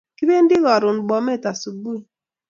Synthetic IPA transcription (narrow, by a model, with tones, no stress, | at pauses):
ki˦be˦n̩˦dɪ˦ɣɔ˨ɾʊ˨n̩˨ɡ͡bɔ˨me˦˨ta˨su˨ɡ͡bu˦i˨